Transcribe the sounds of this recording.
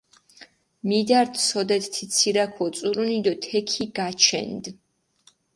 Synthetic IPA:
mid̪aɾt̪ʰsɔd̪ɛt̪ʰt̪ʰit̪sʰiɾakʰɔt̪sʼuɾunid̪ɔt̪ʰɛkʰiɡat͡ʃʰɛ̰nd̪

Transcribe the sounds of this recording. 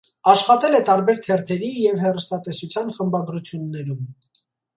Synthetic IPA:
ɑʃχɑt̪ɛlɛt̪ɑɾbɛɾt̪ʰɛɾt̪ʰɛɾijɛvhɛrust̪ɑt̪ɛsut͡sʰjɑnχəmbɑɡɾut͡sʰjunːɛɾum

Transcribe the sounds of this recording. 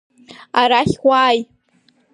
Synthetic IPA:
aɾaχʲwʷaːj

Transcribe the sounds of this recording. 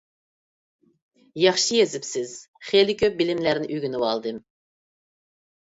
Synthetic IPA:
jɑχʃɨjezɪpsɪz̥ | χelɪkʲʰøp̚bɪlɪmlæɾnɪʔyɡʲynɨwɑlˠd̪ɨm

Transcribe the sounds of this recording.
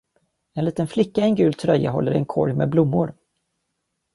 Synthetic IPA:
ɛnliːt̪ənflɪkːaɛnɡʉ̟ːlt̪ʰɾœjːa̰ɦɔ̰lːəɾɛnkʰɔ̰ɾjmɛblʊmːʊɾ

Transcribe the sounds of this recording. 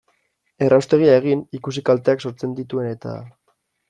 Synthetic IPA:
e̞rawst̪e̞ɣ̞iaeɣ̞inikusikalt̪e̞akso̞ɾt͡se̞nd̪it̪ue̞ne̞t̪a̰

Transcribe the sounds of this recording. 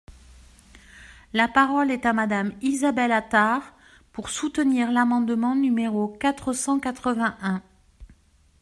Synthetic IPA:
lapaʁɔlɛt̪amad̪amizabɛlat̪aʁ | puʁsut̪əniʁlamɑ̃d̪mɑ̃nymeʁokat̪χəsɑ̃kat̪χəvɛ̃ʔɛ̃

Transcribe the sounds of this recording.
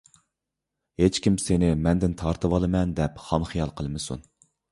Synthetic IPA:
het͡ʃkʲimsenɪmɛnd̪ɪnt̪ʰɑɾt̪ʰɨwɑlˠɨmɛnd̪ɛpχɑnχijɑlˠqʰəlˠmɨsṵn

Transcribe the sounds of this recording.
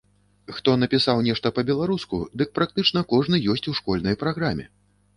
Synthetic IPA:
xt̪ɔnɐpʲisawnʲɛʂt̪ɐpɐbʲɛlˠaɾuskṵd̪ɨk̚pɾak̚t̪ɨt͡ʂn̪ɐkɔʐnɨjɔsʲt͡sʲuwʂkɔlʲnɐjpɾaɣɾamʲɛ̰

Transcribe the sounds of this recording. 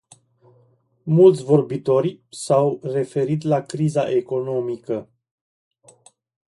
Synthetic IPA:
mult̪sʲvo̞rbit̪o̞ɾʲsawre̞fe̞ɾit̪̬lakɾizaʔe̞ko̞no̞mikə

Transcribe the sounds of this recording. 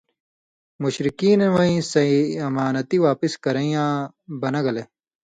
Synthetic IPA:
muɕɾikiːnɐwɐĩsɐɐmaːnɐt̪iwaːpiskɐɾɐĩjãː | bɐnɐɡɐle

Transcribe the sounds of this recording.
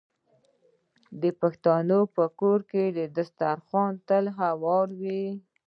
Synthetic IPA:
d̪əpaxt̪ɑnopəkoɾked̪əd̪ast̪aɾxɑnt̪əlɦawɑɾwi

